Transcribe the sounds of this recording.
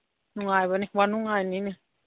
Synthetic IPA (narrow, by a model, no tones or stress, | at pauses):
nuŋajβaniwanuŋajnini